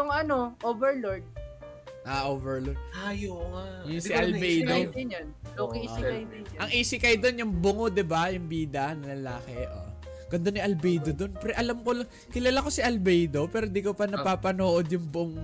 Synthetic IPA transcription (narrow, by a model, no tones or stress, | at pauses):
ʊŋɐno̞ʔoːvɛɹloɹd̪̚ | ʔaʔoːvɛɹlod̪̚ajojʊŋsɪʔɐlbɛd̪oɪnokɐisɪkɐɪʔɐŋʔiːsɪkɐjd̪o̞njʊŋbʊŋod̪ɪbajʊŋbiːd̪ɐnɐlɐlaːkɛʔo̰ | ɡ̥ɐnd̪onːɪʔɐlbɛjd̪o̞d̪o̞npɾɛʔɐlamkolaŋ | kɪlaːlako̞sɪʔɐlbɛjd̪o̞pɛːɾod̪ikopɐnɐpapɐnoːʔod̪jʊŋboŋ